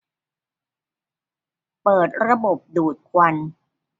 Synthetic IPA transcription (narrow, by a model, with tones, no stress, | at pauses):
pɤː˨˩t̪̚ɾa˧bo˨˩p̚duː˨˩t̪̚kʰwa˧n